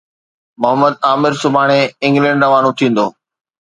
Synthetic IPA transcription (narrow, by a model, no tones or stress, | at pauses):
mʊɦəməd̪̚aːmɪɾsʊbʱaːɽ̃eɪ̃ŋɡlɛ̃ːɳɖɾəʋaːnũt̪ʰĩːn̆d̪oː